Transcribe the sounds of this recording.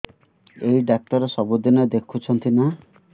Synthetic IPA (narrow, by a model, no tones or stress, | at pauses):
eɦiɖak̚t̪ɔɾesɔbud̪inɔd̪ekʰut͡ʃʰɔnt̪ina